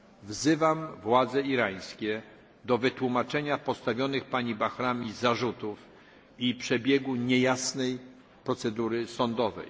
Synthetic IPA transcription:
vzɘvamvwad̪zɛiɾaj̃skʲɛ | d̪ɔvɘt̪wumat͡ʂɛɲapɔst̪avʲjɔnɘxpaɲibaxɾamʲizaʐut̪uf | ipʂɛbʲjɛɡuɲɛjasnɛj | pɾɔt̪sɛd̪uɾɘsɔnd̪ɔvɛ̰j

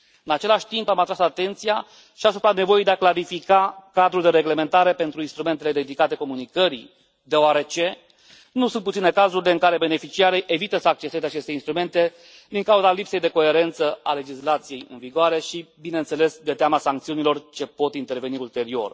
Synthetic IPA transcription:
ɨnat͡ʃe̞laʃʲt̪impamat̪ɾasat̪e̞nt̪sija | ʃiasupɾane̞vo̞ejd̪eaklaɾifikakad̪ɾuld̪e̞ɾe̞ɡle̞me̞nt̪aɾe̞pe̞nt̪ɾuinst̪ɾume̞nt̪e̞le̞d̪e̞d̪ikat̪e̞ko̞munikəɾḭ | d̪e̞oaɾe̞t͡ʃe̞ | nusunt̪put̪ine̞kazuɾile̞ɨŋkaɾe̞be̞ne̞fit͡ʃiaɾejʔe̞vit̪əsəak̚t͡ʃest̪e̞zeat͡ʃe̞st̪einst̪ɾume̞nt̪e̞ | d̪iŋkauzalipsejd̪e̞ko̞e̞ɾe̞nt̪səale̞d͡ʒislat̪sije̞jɨ̰nviɡoaɾe̞ʃibinent̪sele̞sd̪et̪eamasaŋkt̪siunilo̞rt͡ʃe̞po̞t̪int̪e̞rve̞niult̪e̞ɾio̞̰r

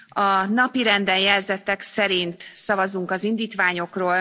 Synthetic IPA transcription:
ɒnɒpiɾɛnd̪ɛnjɛlzɛt̪ɛksɛɾint̪sɒvɒzuŋkɒzind̪iːt̪ʋaːɲo̞kroːl

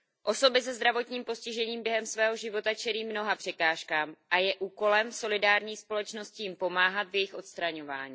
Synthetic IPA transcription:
ʔo̞so̞bɪs̬ɛzd̪ɾavo̞t̪ɲiːmpo̞scɪʒɛɲiːmbjɛɦɛmsvɛːɦo̞ʒɪvo̞t̪at͡ʃɛliːmno̞ɦapr̥ɛkaːʃkaːmʔajɛʔuːko̞lɛmso̞lɪdaːɾɲiːspo̞lɛt͡ʃno̞scɪjɪmpo̞maːɦat̪vjɛjɪxʔo̞t̪st̪ɾaɲo̞va̰ːɲiː

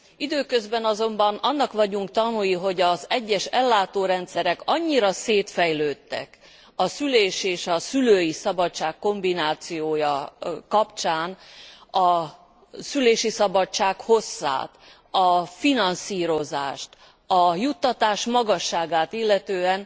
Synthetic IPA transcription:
id̪øːkøzbɛnɒzo̞mbɒnɒnːɒkʋɒɟuŋkt̪ɒnujiɦo̞ɟɒzɛɟːɛʃɛlːaːt̪oːɾɛnt̪sɛɾɛkɒɲːiɾɒseːt̪fɛjløːt̪ːɛ̰k | ɒsyleːʃeːʃɒsyløːjisɒbɒt͡ʃːaːkːo̞mbinaːt̪sijoːjɒkɒpt͡ʃaːnɒ | syleːʃisɒbɒt͡ʃaːkho̞sːa̰ːt̪ | ɒfinɒnsiːɾo̞za̰ːʃt̪ | ɒjut̪ːɒt̪aːʃmɒɡɒʃːaːɡaːt̪ilːɛt̪øːɛn

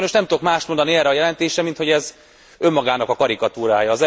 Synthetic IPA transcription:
jnoʃnɛmt̪ud̪okmaːʃt̪mo̞nd̪ɒniɛrːɛɒjɛlɛnt̪eːʃɛmint̪ho̞ɟɛz | ø̞mːɒɡaːnɒkɒkɒɾikɒt̪uːɾaːjɒːzɛ

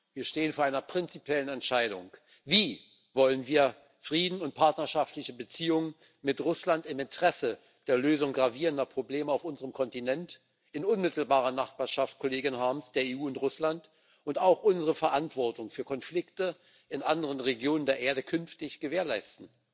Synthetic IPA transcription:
viːɐʃteːənfoːɐʔaɪnɐpʁ̥ɪnt͡sipʰjɛlənɛntʃaɪɾʊ̰ŋ | viː | vɔlənviːɐ | fʁ̥iːdn̩ʊnt̚pʰaɐtnɐʃaftlɪçəbət͡siːʊŋən | mɪtʁʊslantɪmɪntʰəʁ̥ɛsə | d̥eːɐløːzʊŋɡʁaviːʁəndɐpʁ̥obleːməaʊfʔʊnzəʁəmkʰɔntinɛnt | ɪnʊnmɪtl̩baːʁ̞ɐnaχb̥aːɐʃaftkʰoleːɡɪnɦaɐmsd̥eːɐeːuːʊntʁʊslant | ʔʊntaʊxʔʊnzəʁəfɛɐʔantv̥ɔɐtʊŋfyːɐkʰɔnflɪktə | ʔɪnʔandəʁənʁeɡjoːnəndeːɐʔeːɐdəkʰʏnftɪçɡ̥əveːɐlaɪstn̩

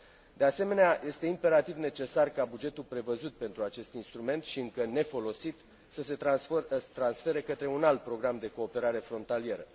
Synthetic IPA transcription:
d̪e̞ase̞me̞neaje̞st̪e̞impe̞ɾat̪ivne̞t͡ʃe̞sarkabud͡ʒe̞t̪ulpɾe̞vəzut̪̚pe̞nt̪ɾuat͡ʃe̞st̪inst̪ɾume̞nt̪ʃiɨŋkəne̞fo̞lo̞sit̪ | səse̞t̪at̪ɾansfe̞ɾekət̪ɾe̞unalt̪̚pɾo̞ɡɾamd̪e̞ko̞ːpe̞ɾaɾe̞fɾo̞nt̪alie̞ɾə

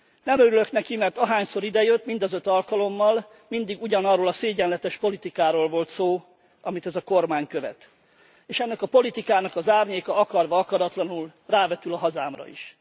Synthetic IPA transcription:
nɛmøɾyløknɛkimɛrt̪ɒɦaːɲso̞ɾid̪ɛjøt̪ːmind̪ɒzøt̪ɒlkɒlo̞mːɒl | mind̪iɡuɟɒnɒrːoːlɒseːɟɛnlɛt̪ɛʃpo̞lit̪ikaːɾoːlvo̞lt̪soː | ɒmit̪ɛzɒko̞rmaːɲkø̞vɛ̰t̪ | eːʃɛnːɛkɒpo̞lit̪ikaːnɒkɒzaːrɲeːkɒɒkɒrʋɒɒkɒɾɒt̪lɒnulraːvɛt̪ylɒɦɒzaːmrɒ̰ḭʃ

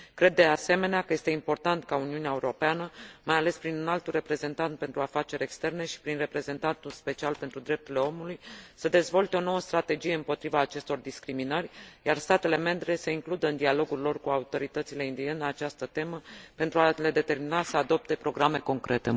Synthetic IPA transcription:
kɾe̞d̪ːe̞ase̞me̞neakəje̞st̪e̞impo̞rt̪ant̪kauniuneaeuɾo̞peanəmajale̞spɾinnalt̪ure̞pɾe̞ze̞nt̪ant̪̚pe̞nt̪ɾuafat͡ʃe̞ɾʲe̞kst̪e̞rne̞ʃi̥pɾinre̞pɾe̞ze̞nt̪ant̪ulspe̞t͡ʃialpent̪ɾud̪ɾe̞p̚t̪urile̞o̞mulujsəd̪e̞zvo̞lt̪e̞o̞no̞wəst̪ɾat̪e̞d͡ʒije̞ɨmpo̞t̪ɾivaːt͡ʃe̞st̪o̞rd̪iskɾiminərʲjarst̪at̪e̞le̞me̞mbɾe̞se̞iŋklud̪əɨnd̪ialo̞ɡurʲlo̞rkuaut̪o̞ɾit̪ət̪sile̞ind̪ieneat͡ʃast̪ət̪e̞məpe̞nt̪ɾuale̞d̪e̞t̪e̞rminasəad̪o̞p̚t̪e̞pɾo̞ɡɾame̞ko̞ŋkɾʔe̞t̪e̞

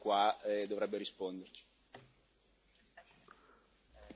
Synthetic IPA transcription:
kwad̪ovɾɛbːeɾispond̪ert͡ʃi̥

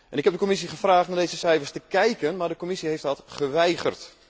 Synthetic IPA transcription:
ʔɛnɪkɦɛp̚dəkomis̬iχəfraːχtnadejzəsɛjfərstəkɛjkənmaːɹdəkomisiɦejftɔtχəʋɛjɣə̰rt

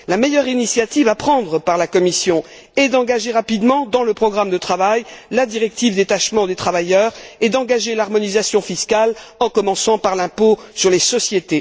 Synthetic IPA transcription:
lamejœʁinisjat̪ivapχɑ̃d̪ʁəpaʁlakɔmisjɔ̃ | ed̪ɑ̃ɡaʒeʁapid̪mɑ̃d̪ɑ̃ləpχɔɡʁamd̪ət̪χavajlad̪iʁɛk̚t̪ivd̪et̪aʃmɑ̃d̪et̪χavajœʁed̪ɑ̃ɡaʒelaʁmɔnizasjɔ̃fiskalɑ̃kɔmɑ̃sɑ̃paʁlɛ̃posyʁlesɔsjet̪e

